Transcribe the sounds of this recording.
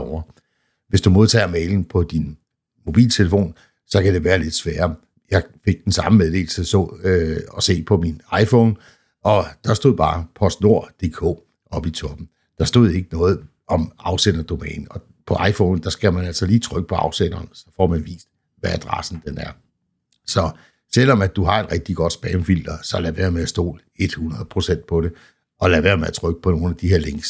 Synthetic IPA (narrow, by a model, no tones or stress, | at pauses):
ɒʊ̰ɐ | ʋe̝sd̥umo̝ð̞ˠt͡sʰɛ̰ːmeɪln̩pʰɒ̽d̥in | mo̝b̥ḭːlt͡sʰe̝ləfo̝̰ːn | sɒ̽kʰæd̥e̝ʋæːɐle̝d̥sʋæːɐ | jɑ̈ɪfe̝ɡ̥̚d̥en̩sɑ̈məmeðˠd̥e̝̰ːl̩səsɔɒ̽se̝̰ːpʰɒ̽minɑ̈ɪfɔːn | ʔɒ̽d̥ɑ̈sd̥o̝ð̰ˠb̥ɑ̈ːpʰɒ̽sd̥no̝ɐ̰d̥e̝ːkʰɔ̰̽ː | ɒ̽b̥it͡sʰɒ̽b̥n̩ | d̥ɑ̈sd̥o̝ð̞̰ˠe̝ɡ̥ənɔ̽ːð̩ˠ | ɒ̽mɑ̈ʊsen̰ɐd̥o̝mɛ̰ːnn̩ɒ̽ | pʰɒ̽ʔɑ̈ɪfɔːnn̩d̥ɑ̈sɡ̥æmænæl̰sɒliːt͡sʰʁœɡ̥ə̥pʰɒ̽ɑ̈ʊsen̰ɐːnsɒ̽fɒ̰ːmænʋḭːsd̥ | ʋææd̥ʁɑ̰̈sn̩d̥enæɐ | sɒ̽ | sel̰ɒmæ̥uɦɑ̈e̝d̥ʁɛɡ̥̚d̥iɡ̥ɒ̽d̥sb̥ɛːmfil̰d̥ɐsɒ̽læʋæɐmeæsd̥o̝̰ːl | e̝d̥hunʁɐð̩ˠpʰʁo̝sen̰d̥̚pʰɒ̽ɾe̝ | ʔɒ̽læʋæɐmeæt͡sʰʁœɡ̥əpʰɒ̽no̝ːn̩æd̥iɦe̝ɐ̰leŋs